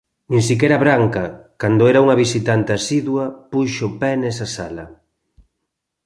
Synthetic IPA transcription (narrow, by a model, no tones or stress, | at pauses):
nĩŋsik̬ɛɾaβɾaŋkɐkand̪ʊɛɾauŋɐβisit̪ant̪easiðwɐpuʃopɛnesasalɐ